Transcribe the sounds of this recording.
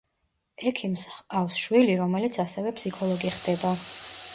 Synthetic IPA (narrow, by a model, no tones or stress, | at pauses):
ɛkʰimsafsʃwiliɾɔmɛlit̪sʰasɛvɛpʰsikʰɔlˠɔɡiχd̪ɛba